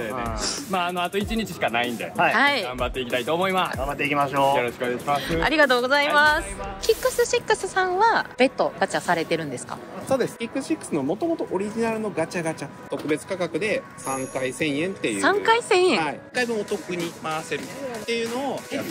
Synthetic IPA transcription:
eemaːno̞at̪o̞it͡ɕiɲ̟it͡ɕiɕi̥kanaĩnd̪ehaiɡãmbat̪ːe̞ikʲi̥t̪ait̪o̞ːmo̞imasɡãmbat̪ːeikʲimaɕo̞ːjoɾoɕi̥koneɡaɕimasɨaɾʲiɡat̪o̞ːɡo̞zaimasɨ̥kʲikːɯ̟sɨɕikːɯ̟sɨsãβab̥e̞t̪ːo̞ɡ̥at͡ɕasaɾe̞t̪e̞ɾɯ̟̃nd̪e̞sɨ̥ka̰ | so̞ːd̪e̞sɨ̥kʲikːɯsɕikːɯ̥sɨnomo̞t̪omo̞t̪o̞ʔoɾʲiʑinaɾɯ̟no̞ɡat͡ɕaɡat͡ɕa | t̪o̞kɯ̟be̞t͡sɨ̥kakakɯ̟d̪e̞ | sãŋkaisẽ̞ɰ̃jẽ̞nt̪ːe̞jɯsãŋkaisẽ̞ɰ̃ẽikːaibɯ̟̃ot̪o̞kɯ̟ɲ̟imaase̞ɾɯ̟t̪ːe̞jɯ̟no̞ː

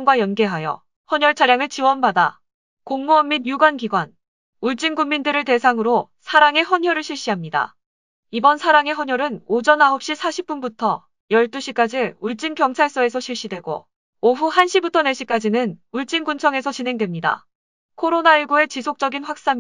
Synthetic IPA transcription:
ŋɡwajʌnɡe̞ɦajʌ̰ | hʌɲʌɭt͡ɕʰaɾjaŋɯɭt͡ɕiwʌnbada | koŋmuʌmːinjuɡwanɡiɡwan | uɭt͡ɕ͈inɡummindɯɾɯɭte̞sʰaŋɯɾo | sʰaɾaŋe̞ɦʌɲɦʌɾɯɭɕʰiɭɕ͈iɦamɲida̰ | ibʌnsʰaɾaŋe̞ɦʌɲjʌɾɯnod͡ʑʌnaɦop̚ɕ͈isʰaɕʰip͈̚unbutʰʌ | jʌɭt͈uɕʰik͈ad͡ʑiuɭt͡ɕ͈inkjʌŋt͡ɕʰaɭs͈ʌe̞s̬ʰʌɕʰiɭɕ͈idwe̞ɡo̰ | oɸuhanɕʰibutʰʌne̞ɕ͈ʰik͈ad͡ʑinɯnuɭt͡ɕ͈inɡunt͡ɕʰʌŋe̞sʰʌt͡ɕinɦe̞ŋdwe̞mɲida̰ | kʰoɾonaiɭɡue̞t͡ɕisʰok̚t͡ɕ͈ʌɡinɸwak̚s͈am

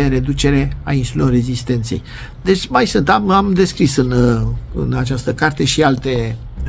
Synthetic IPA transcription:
eɾe̞d̪ut͡ʃe̞ɾe̞ainsulelo̞rːe̞zist̪e̞nt̪sḛj | d̪e̞t͡ʃʲmajsɨnt̪amamd̪e̞skɾisɨnɨ̰nat͡ʃast̪əkart̪e̞ʃialt̪e̞

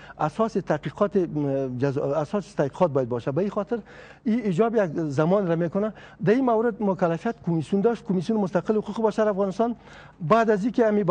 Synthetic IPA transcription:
asɔsɪt̪aqiqɔt̪ed͡ʒazasɔsɪ̥t̪aqi̥qɔt̪̚bɔjad̪̚bɔʃabaixɔt̪ɪɾ | iɪd͡ʒɔbjaɡzamɔnɾamekʊna | d̪aimawɾɪd̪mʊkalafijat̪kʊmisjund̪ɔʃt̪̚kʊmisjunɪmʊst̪aqɪlhʊquqɪbaʃaɾafɣɑnɪst̪ɑn | bad̪azikeamib

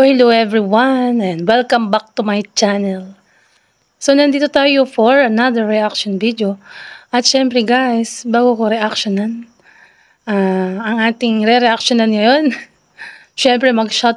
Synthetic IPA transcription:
ohɪloɛvɹiwanɛ̃nd̪wɛlkɐ̃mbak̚t̪umajt͡ʃanɛl | sonɐnd̪iːt̪ot̪aːjofoɹɐnad̪əɹːɛʔakʃonvid̪joʔɐt̪ʃɛmpɾɛɡajsbaːɡokoɾɛʔakʃonɐn | ʔaɐŋʔaːt̪ɪŋɾɛɾɛʔak̚ʃonɐnŋɐjon | ʃɛmpɾɛmɐɡʃat̪̚

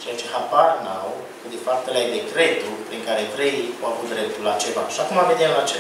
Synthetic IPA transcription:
t͡ʃejat͡ʃehaparnaw | kəd̪efap̚t̪elajd̪ekɾet̪upɾiŋkaɾet̪ɾejawavut̪̚d̪ɾep̚t̪ulat͡ʃeva̰ːʃakumameniaat͡ʃe

